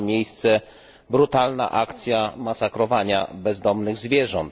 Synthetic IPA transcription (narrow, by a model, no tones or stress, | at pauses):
mʲjejst̪sɛ | bɾut̪alna̰ʔakt̪sʲjamasakɾɔvaɲa̰bɛzd̪ɔmnɘɣzvʲjɛʐɔnt̪